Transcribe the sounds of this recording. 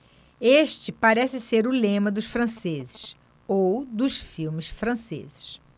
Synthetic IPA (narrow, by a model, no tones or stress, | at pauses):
eʃt͡ʃɪpaɾɛsɪseɾʊlẽmɐd̪ʊsfɾɐ̃sezɪʃ | owd̪ʊsfiwmɪsfɾɐ̃sḛzɪ̥ʃ